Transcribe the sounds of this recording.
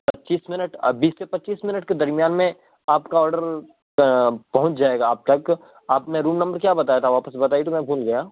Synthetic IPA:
pɐtːʃiːsmɪnəʈbiːsːepɐtːt͡ʃiːsmɪnəʈked̪ɐɾmijaːnmẽ | aːpkaɔːɾɖəɾ | pɐɦʊ̃ɲt͡ʃd͡ʒaːeːɡaːp̚t̪ɐk | aːpnẽɾuːmnɐ̃mbəɾkjaːbɐt̪aːjat̪ʰaʋaːpəsbɐt̪aːit̪omɛ̃bʱuːlɡɐjaː

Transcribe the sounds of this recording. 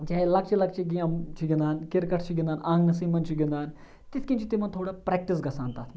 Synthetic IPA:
t͡ʃaːɦelɐk̚t͡ʃʰilɐk̚t͡ʃʰiɡiɐmt͡ʃʰuɡʲĩnd̪aːnkɪɾkɐʈʰt͡ʃʰiɡʲĩnd̪aːnʔãːŋɡnɐsiːmɐnt͡ʃʰuɡʲĩnd̪aːn | t̪iskĩnt͡ʃʰit̪imɐnt̪ʰoːɽaːpɾɛːk̚ʈis̬ɡɐsãːnt̪aːt̪ʰm

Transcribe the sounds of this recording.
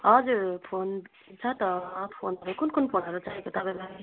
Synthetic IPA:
ʌd͡zuɾpʰonb | t͡sʰʌt̪ʌpʰo̰nʌɾukunkunpʰonʌɾut͡saɦikot̪ʌbema

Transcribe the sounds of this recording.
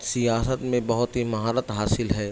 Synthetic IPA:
sijaːsət̪mẽbɐɦʊt̪ɦimɐɦaːɾət̪ɦaːsɪlɦɛː

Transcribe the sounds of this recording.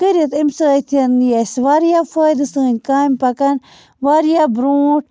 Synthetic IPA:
kəɾit̪imsɨt̪ʰɐnjesʋaːɾjafəjd̪ɨsɨːnʲkaːmʲpɐkɐn | ʋaɾijabɾuːʈ̚

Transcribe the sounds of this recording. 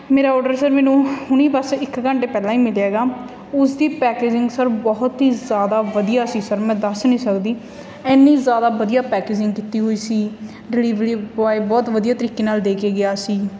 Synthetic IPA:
meːɾaːɔːɾɖəɾsəɾmɛ̃ːnũːhʊɳ̃iːpəsɪkɡəɳɖeːpɛːlãːĩːmɪlaːɡaː | ʊsd̪iːpɛːkeːd͡ʒɪ̃ŋɡsəɾbɔːʊt̪ɦiːzjaːd̪aːʋəd̪ijaːsiːsəɾmɛ̃ːd̪əsnĩːsəkd̪iː | ɛːnːiːzjaːd̪aːʋəd̪ijaːpɛːkeːd͡ʒɪ̃ŋɡkit̪iːɦoːiːsiː | ɾɪliːʋɾiːaːiːbɔːt̪ʋəd̪ijaːt̪əɾiːkeːnaːld̪eːkeːɡɪjaːsiː

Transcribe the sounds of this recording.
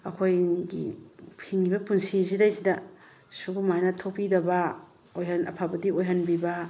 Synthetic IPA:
ɐkʰojɡḭhiŋːibɐpunsizidajsidɐ | subumajnɐtʰopidɐbɐ | ojɐnɐ̰pʰabɐdiojɦɐnbiba

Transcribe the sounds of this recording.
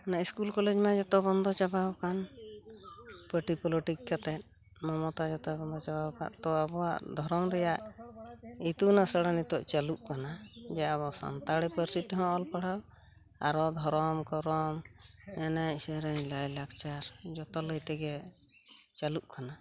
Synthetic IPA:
naiskulkɔlɛd͡ʒmãd͡ʒɔt̪ɔbɔnd̪ɔt͡ʃabawkan | pəʈipɔloʈikkat̪ɛt̪̚ | mɔmɔt̪ad͡ʒɔt̪ɔbɔnd̪ʱɔt͡ʃabawka̰ʔt̪ɔabɔwaʔd̪ʱɔɾɔmɾɛjaʔ | it̪unasəɽanit̪ɔʔt͡ʃaluʔkanad͡ʒɛabɔsa̰nt̪aɽɛpəɾsitɦɔ̃ɔlpaɽaw | aɾɔd̪ʱɔɾɔmkɔɾɔmɛnasɛɾɛɲlajlakt͡ʃaɾd͡ʒɔt̪ɔləjt̪ɛɡɛ | t͡ʃaluʔkana

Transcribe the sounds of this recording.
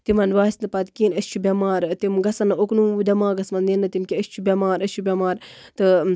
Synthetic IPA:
t̪imɐnʋaːsʲnɐpɐt̪kiːnɐsʲt͡ʃʰubʲɐmaːɾt̪imɡɐsɐnɐoknuːud̪ɐmaːɡɐsmɐnd̪inːɐt̪imkʲiɐst͡ʃʰubʲɐmaːɾɐst͡ʃʰubʲɐmaːɾt̪ɨ

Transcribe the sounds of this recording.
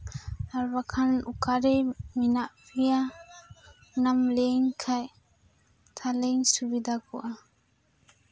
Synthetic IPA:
aɾbakʰanukaɾejminaʔbija | namleŋkʰaj | t̪ʰaleŋsubid̪akɔʔa

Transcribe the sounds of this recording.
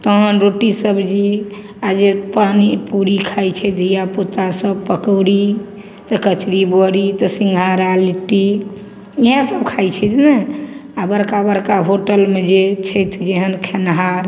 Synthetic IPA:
t̪əɦənɾoʈisəbd͡ʒi | ad͡ʒepanipuɾikʰajt͡ʃʰɛd̪ʱijapot̪asəb̚pəkəwɽi | t̪ɔkət͡ʃɾibɔɾit̪əsĩŋɡʱaɾaliʈːi | iɦãsəbkʰajt͡ʃʰɛt̪ʰnɛabəɾkabəɾkaɦoʈəlmed͡ʒet͡ʃʰəjt̪ʰd͡ʒeɦənkʰenɦaɾ

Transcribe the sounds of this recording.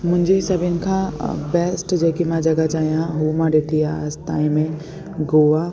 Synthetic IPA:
mʊ̃nd͡ʒesɐbʱɪnkʰabɛːsʈd͡ʒɛːkimãd͡ʒɐɡat͡ʃaːjãɦumãɾet̪ijast̪aːĩmẽ | ɡoːʋa

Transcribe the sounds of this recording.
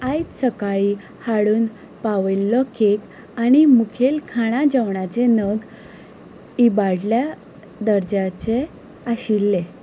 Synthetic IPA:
ajsəkaɭi | haɽuːn | paʋəlːɔkʰek | añimukʰelkʰaɽ̃ad͡ʑaʋɳat͡ɕenəɡ | ibaɽlja | d̪əɾd͡ʑat͡ɕe | aɕilːe

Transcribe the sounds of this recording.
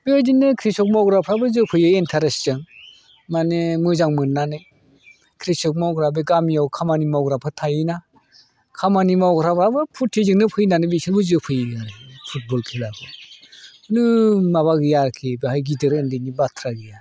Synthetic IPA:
b̥eadinːɯkʰɾisɔk̚mawɡɾapʰɾabɯzɯpʰɯjɯentʰaɾesd͡ʒɯŋ | manemɯzaŋmɯnːanɯ | kʰɾisɔk̚mawɡɾabeɡamijawkʰamanimawɡɾapʰɯtʰajɯna | kʰamanimawɡɾababɯpʰutʰːizɯŋnɯpʰɯjnanɯbisʰɯlbɯzɯpʰɯjɯpʰut̚bɔlkʰelapʰɯ | nɯmaβaɡɯjaɾkʰebehajɡidɯɾɯndɯnibatʰɾaɡɯja

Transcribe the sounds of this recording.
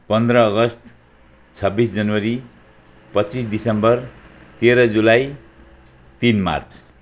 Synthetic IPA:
pʌnd̪rʌːɡʌst̪ | t͡sʰʌbisd͡zʌnwʌɾi | pʌt͡sisd̪isʌmbʌrt̪eɾʌd͡zulaj | t̪inma̰rt͡sʰ

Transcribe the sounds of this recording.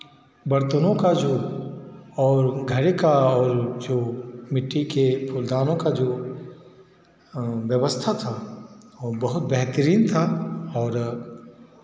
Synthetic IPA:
bɐɾt̪ənõkad͡ʒoː | ɔːɾɡʱɐɾekaɔːɾd͡ʒoːmɪʈːikepʰʊld̪aːnõkad͡ʒoː | ʋjɐʋəst̪ʰat̪ʰaobɐɦʊt̪bɛɦt̪əɾiːnt̪ʰaɔːɾ

